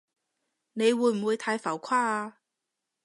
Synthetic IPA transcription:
ne˨˧jwuː˨˧˥m̩˨˩wuː˨˧jt̪ʰaː˨˧˥jfa˨˩wkʰwaː˥aː˧

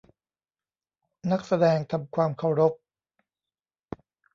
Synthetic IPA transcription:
na˦˥k̚sa˧dɛː˧ŋt̪ʰa˧mkʰwaː˧mkʰa˧˥˩wɾo˦˥p̚

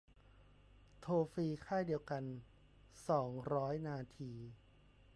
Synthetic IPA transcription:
t̪ʰoː˧fiː˧kʰaː˥˩jdi˧əwka˧n | sɔː˩˦ŋɾɔː˦˥jnaː˧t̪ʰiː˧

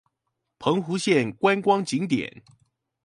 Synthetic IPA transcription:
pʰɤ˧˦ŋxu˧˥ɕjɛ˥˨nkwa˦nkwɑ˥ŋt͡ɕi˨˦ŋt̪̬jɛ̰˨˩˦n

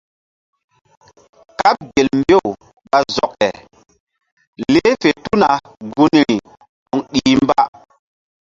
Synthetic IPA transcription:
ka˦p̚ɡe˨lmbe˦˨w | ɓa˨zɔ˨kɛ̰˨ | le˦fe˨tu˦na˨ | ɡu˦n˨ɾi˨ | ɗɔ˨ŋɗiː˨˦mba˦

